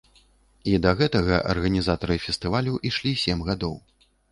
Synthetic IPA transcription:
id̪ɐɣɛt̪ɐɣɐʔɐ̰rɣɐnʲizat̪ɐɾɨfʲɛst̪ɨvalʲuʔiʂlʲisʲemɣad̪ɔw

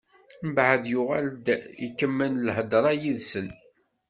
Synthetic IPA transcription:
məbʕəðjʊʁæld̪ikːəmːənlɦəd̪ɾˤɑjiðsən

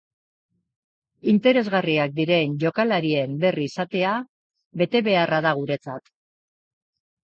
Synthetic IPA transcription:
int̪e̞ɾe̞zɣariak̚d̪iɾe̞nʝo̞kalaɾie̞mbe̞riːsat̪e̞a | βe̞t̪e̞βe̞araðaɣ̞uɾe̞t͡sat̪

